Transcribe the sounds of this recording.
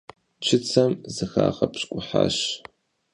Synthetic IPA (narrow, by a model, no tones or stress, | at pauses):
t͡ʃʰɪt͡sʰɐmzɨxaːʁɐpɕkʷʼʊħa̰ːɕ